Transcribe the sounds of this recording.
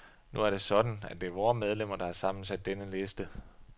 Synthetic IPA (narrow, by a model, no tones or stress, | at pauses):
nuæɐɾ̥e̝sɒ̽d̥n̩ædd̥e̝ɐʋɒːmeð̞ˠlem̰ɐd̥ɑ̈hɑ̈sɑ̈m̰n̩sæd̥ːenəle̝sd̥ə